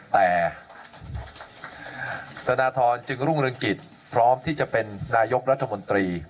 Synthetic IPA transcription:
t̪ɛː˨˩ | t̪a˧naː˧t̪ʰɔː˧nt͡ɕɯ˧ŋɾu˥˩ŋɾɯ˧ŋki˨˩t̪̚ | pʰɾɔː˦˥mt̪ʰiː˥˩t͡ɕa˨˩pe˧nːaː˧jo˦˥k̚ɾa˦˥t̪ʰːa˧mo˧nt̪ɾiː˧

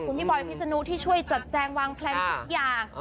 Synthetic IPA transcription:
kʰu˧˩˦nmi˧˥˩bɔ˨˩jpʰi˦˥sa˧nu˦˥t̪ʰiː˥˩t͡ɕʰu˥˩əjt͡ɕa˨˩t̪̚t͡ɕɛː˧ŋwaː˧ŋpʰlɛ˧˥ŋt̪ʰu˦˥k̚jaː˨˩ŋ

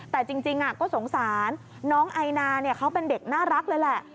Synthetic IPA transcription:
t̪ɛː˨˩t͡ɕi˧ŋt͡ɕi˧ŋʔa˨˩kɔː˥˩so˩˦ŋsaː˩˦nː | ɔː˦˥ŋʔa˧jnaː˧ni˥˩ɐkʰa˦˥wpe˧nde˨˩k̚naː˥˩ɾa˦˥k̚lɤː˧jlɛ˨˩ʔ

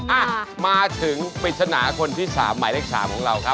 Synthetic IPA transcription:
ʔa˧˨˩maː˧t̪ʰɯ˨˩˦ŋpi˨˩t̪̚sʰa˧na̰ː˩˦kʰo˧nt̪ʰiː˥˩sa̰ː˩˦mːaː˩˦leː˥˩k̚sa̰ː˩˦mkʰɔː˩˦ŋɾa˧wkʰa˦˥

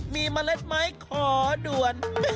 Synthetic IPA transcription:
miː˧ma˧le˦˥t̪̚ma˦˥jkʰɔː˩˦du˨˩ən

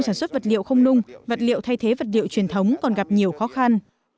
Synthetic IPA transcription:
ŋsaː˧˩swə˦˥t̚və˨˩t̚lḭ˧˨wxə˧wŋ͡mnʊ˧ŋ͡mvə˨˩t̚lḭ˧˨əwt̪ʰa˧jt̪ʰe˨˦və˨˩t̚lḭ˧˨wt͡ɕwi˧˩ənt̪ʰə˨˦wŋ͡mkɔ˨˩nɣa˨˩p̚ɲi˨˩əwxɔ˨˦xa˧n

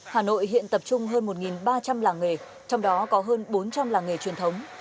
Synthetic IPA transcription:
haː˨˩no̰˧˨jhḭ˧˨ənt̪ə˨˩p̚t͡ɕʊ˧ŋ͡mɦəː˧nmo˨˩t̚ŋi˨˩nɓaː˧t͡ɕa˧mlaː˨˩ŋŋe˨˩ | t͡ɕɔ˧wŋ͡mɗɔ˨˦kɔ˨˦ɦəː˧nɓo˨˦nt͡ɕa˧mlaː˨˩ŋe˨˩t͡ɕwi˨˩ənt̪ʰə˨˦wŋ͡m

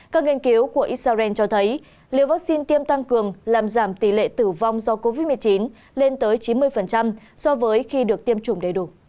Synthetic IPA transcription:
kaː˦˥k̚ŋi˧ənki˨˦əwku˧˩əʔi˦˥t̚saː˧zɛ˧nt͡ɕɔ˧t̪ʰə˨˦j | li˨˧˩əwvaː˦˥k̚si˧nt̪i˧əmt̪a˧ŋkɨ˨˩əŋlaː˨˩mzaː˧˩mt̪i˧˩lḛ˧˨t̪ɨ˧˩va˧wŋ͡mzɔ˧ko˧vi˦˥t̚mɨ˨˩əjt͡ɕi˨˦n | le˧nt̪əː˨˦jt͡ɕi˨˦nmɨ˧əjfə˨˩nt͡ɕa˧m | sɔ˧vəː˨˦jxi˧ɗɨ˨˩ək̚t̪i˧əmt͡ɕʊ˨˧˩ŋ͡mɗə˨˧˩jɗu˧˩

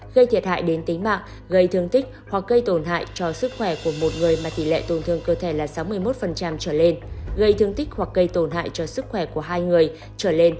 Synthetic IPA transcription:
ɣə˧jt̪ʰi˨əha̰ː˧˨jɗe˨˦nt̪ï˨˦ŋ̟ma̰ː˧˨ŋ | ɣə˧jt̪ʰɨ˧əŋt̪ï˦˥k̟̚hwa˨˩k̚ɣə˧jt̪o˧˩nɦa̰ː˧˨jt͡ɕɔ˧sɨ˦˥k̚xwɛ˧˩ku˧˩əmo˨˩t̚ŋɨ˨˩əjmaː˨˩t̪i˧˩lḛ˧˨t̪o˨˩nt̪ʰɨ˧˩əŋkəː˧t̪ʰe˧˩laː˨˩sa˨˦wmɨ˧əjmo˦˥t̚fə˨˩nt͡ɕa˧mt͡ɕəː˧˩le˧nɣə˧jt̪ʰɨ˧əŋt̪ï˦˥k̟̚hwa˨˩k̚ɣə˧jt̪o˧˩nɦa̰ː˧˨jt͡ɕɔ˧sɨ˦˥k̚xwɛ˧˩ku˧˩əɦaː˧jŋɨ˨˩əj | t͡ɕəː˧˩le˧n

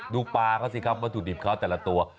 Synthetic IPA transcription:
duː˧paː˧kʰa˦˥˩si˧kʰa˦˥p̚maː˧t̪u˨˩di˨˩kʰa˦˥˩wt̪ɛː˨˩la˧˦t̪u˧ɐ

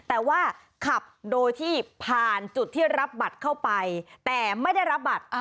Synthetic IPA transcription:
t̪ɛː˨˩waː˥˩ | kʰa˨˩p̚doː˧jt̪ʰiː˥˩pʰaː˨˩nt͡ɕu˨˩t̪ʰːiː˥˩ɾa˦˥p̚ba˨˩t̪̚kʰa˥˩wpa˧jt̪ɛː˨˩ma˥˩jda˥˩jɾa˦˥p̚ba˨˩t̪̚

